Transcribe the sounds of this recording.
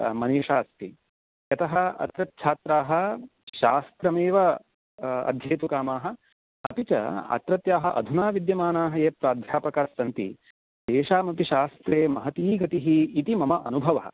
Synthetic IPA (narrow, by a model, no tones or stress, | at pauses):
mɐneːʃaːst̪i | jɐt̪ɐɦɐɐ̰t̪ɾɐt̪t͡ʃʰaːt̪ɾaːɦɐ̆ | ʃaːst̪ɾɐmeːʋɐ | ɐ̰d̪ʱjeːt̪ukaːmaːɦɐ̆ | ɐpit͡ʃɐ̰ɐ̰t̪ɾɐt̪jaːɦɐʔɐ̰d̪ʱunaːʋid̪jɐmaːnaːɦɐjeːpɾaːd̪ʱjaːpɐkasɐnt̪ḭ | d̪̥eːʃaːmɐpiʃaːst̪ɾeːmɐɦɐt̪iːɡɐt̪iɦiːt̪imɐmɐʔɐnubʱɐʋɐɦɐ̰